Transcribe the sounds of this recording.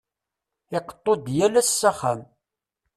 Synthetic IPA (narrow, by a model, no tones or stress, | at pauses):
ɪqə̥t̪ˤːod̪jælæsːæχæm